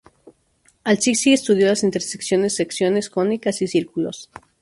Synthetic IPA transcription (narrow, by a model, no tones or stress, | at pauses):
alsisiest̪uð̞jo̞lasint̪eɾseksjo̞nesːeksjo̞ne̞skɾonikasisiɾkulo̰s